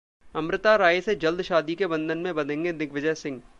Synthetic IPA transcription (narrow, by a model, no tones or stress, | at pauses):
ɐmɾɪt̪aɾaːjsed͡ʒɐld̪ʱʃaːd̪ikebɐ̃nd̪ʱənmẽbɐd̪ʱẽːŋɡenɪɡʋɪd͡ʒəsɪ̃ŋɡ